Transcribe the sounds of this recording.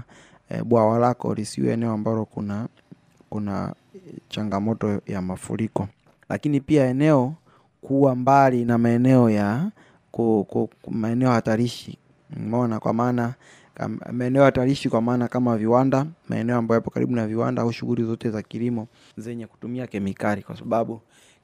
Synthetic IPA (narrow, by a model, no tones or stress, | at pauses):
ɓwawalakɔ̰lisḭɛ̰ɛ̰nɛɔambalɔkuna | kuna̰ | t͡ʃaŋɡamɔtɔjamafṵɾikɔ | lʔa̰kinipiaɛnɛɔ | kuwambalinamaɛnɛɔja | kkmaɛnɛɔhataɾiʃḭ | mɔnakwa̰maːna | ka̰maɛnɛɔhataɾiʃikwamaːnakamaviwandama̰ɛ̰nɛɔambajapɔka̰ɾḭɓunaviwa̰ndaauʃuɣulizɔtɛzakilimɔ | zɛɲɛku̥tumiakɛmikalikwasaɓaɓu